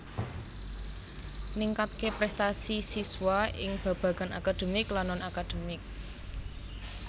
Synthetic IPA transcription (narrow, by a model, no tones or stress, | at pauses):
niŋkat̪̚kepɾɛst̪asisiswaɪ̰ŋb̥ä̤b̥ä̤ɡ̥a̤nakad̪̥e̤mɪklanɔnakad̪̥e̤mɪk̚